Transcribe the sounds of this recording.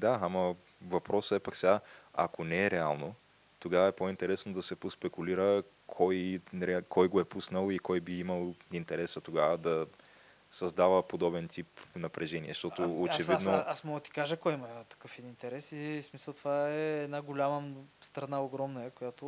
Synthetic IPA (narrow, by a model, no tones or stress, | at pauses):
d̪aamɐ | vɐpɾɔsəɛpaksɛɡaɐ̰konɛːɾɛalˠno | t̪oɡavəɛpoint̪ɛɾɛsnod̪ɐsɛpospɛkuliɾə | kʰɔjɾɛkʰɔjɡoɛpusnəlˠikɔjbiiməlˠint̪ɛɾɛsət̪oɡavəd̪ɐ | sɐzd̪avəpod̪ɔbɛnt̪ipnɐpɾʔɛʒɛnḭɛ̰ʃt̪ɔt̪ʊot͡ʃɛvid̪noasmɔɡt̪i̥kaʒəkɔjmɐt̪ɐ̥kɤfɛint̪ɛɾɛsismisəlˠt̪ovaɛːd̪naɡolʲaməst̪ɾɐnaoɡɾɔmnəjəkojat̪ʊ